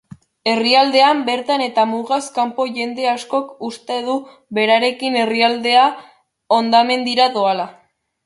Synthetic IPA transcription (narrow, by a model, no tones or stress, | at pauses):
e̞riald̪e̞ambe̞ɾt̪ane̞t̪amuɾɣaskampo̞ʝe̞nd̪e̞asko̞kust̪e̞ðu | βe̞ɾaɾe̞kine̞riald̪e̞a | o̞nd̪ame̞nd̪iɾaðoala